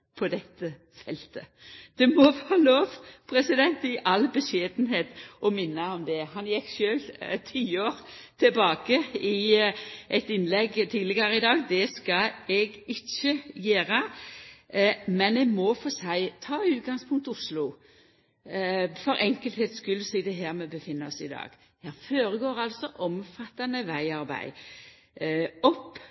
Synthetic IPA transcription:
pʰɔd̪ɛt̪ːə | fɛlt̪əd̪̥ɛmɔʋːɑloːʋpʰɾɛsɪd̪ɛnt̪ɪʔɑlbəʂeːd̪n̩heːt̪ɔmɪnːəɔmd̪ɛɦɑnjɪkʃøːlt̪ʰiːoːɾt̪ʰɪlbɑːkəɪ | ʔɛt̪ɪnlɛɡːt̪ʰiːlɪɡəɾəɪd̪ɑːɡd̪ɛskɑɛɡɪt͡ʃːəjeːɾə | mɛnɛɡmɔfoːsæɪt̪ʰɑːʉːt̪̚ɡɑŋspʰʊŋkt̪ʊslʊ | fɔɾʔɛŋkəlt̪heːt̪skʉlsiːd̪ɛɦæːɾmɛbəfɪnːəɔsɪd̪ɑ̰ːɡ̥ | hæːføːɾəɡoːɾɑlsɔʔɔmfɑt̪ːɑnəʋæɪɑɾbæ̰ɪ | ɔpː

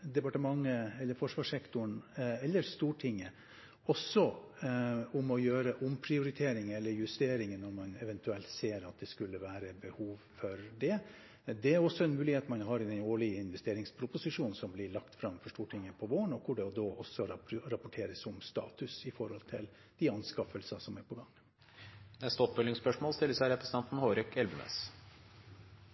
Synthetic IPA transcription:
d̪ɛpɑʈəmɑŋːəɛlːəɾfɔʂʋɑːʂɛkt̪ʊɳɛlːəɾst̪uːʈʰɪŋːə | ɔsːɔ | ʊmɔjøːɾəʔʊmpʰɾɪʊɾɪt̪ʰeːɾɪŋɛlːəɾjʉst̪eːɾɪŋənɔɾmɑnɛʋɛnt̪ʉɛlt̪seːɾɑt̪̚d̪ɛskʉlːəʋæːɾəbəhuːʋfɔɾɖ̪ɛ | d̪ɛæɾɔsːɔɛnmʉːlɪheːt̪mɑnɦɑɾɪd̪ɛnoːɭɪɪnʋɛst̪eːɾɪŋspʰɾʊpʊsɪʂuːnsɔmblɪɭɑkt̪fɾɑmfɔʂʈuːʈʰɪŋːəpʰɔʋoːəɳɔkʰʊɖɛɔd̪oːʔɔsːɔɾɑpʊʈʰeːɾəsʊmst̪ɑ̰ːt̪ʉsɪfɔɾhɔlt̪ʰɪ̰l | d̪̥ɪɑnskɑfəlsɑsɔmæɾpʰɔɡɑŋː | ɛst̪ɔpbɛlɪŋspœʂmoːlst̪ɪlːəsæɾɛpʰɾəsət̪ɛnt̪n̩hoːɾœkʰɛlbʉmḛs

